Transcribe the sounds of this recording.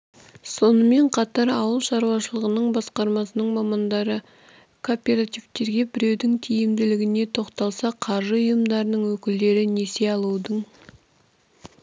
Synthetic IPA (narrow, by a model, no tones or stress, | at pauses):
so̞nəme̞ɴqʰɑt̪ɑɾɑwəlˠʃɑɾuwɑʃəlˠəʁənəɴbɑsqɑɾmɑsənəɴmɑmɑnd̪ɑɾə | kʰopʲe̞ɾat̪ivt̪e̞ɾɡʲe̞bɪɾe̞wd̪ɪŋt̪ʰijɪmd̪ɪlɪɡʲɪne̞t̪ʰo̞qt̪ɑlˠsɑqʰɑɾʒəʊjəmd̪ɑɾənəɴwɵkʲɪld̪e̞ɾɪnese̞ɑlˠuwd̪əɴ